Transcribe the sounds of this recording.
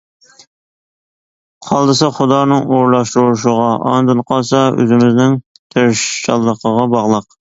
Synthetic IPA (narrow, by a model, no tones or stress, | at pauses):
qʰɑlˠd̪ɨsɑχʊd̪ɑːnɨŋoɾlˠɑʃt̪ɾuɾʃ̬ʊʁɑʔɑ̰nd̪ɨnqʰɑsɑø̰zɪmɪznɪŋ | t̪ʰeɾʃʃɑlˠːəqʰəʁɑbɑʁlˠəq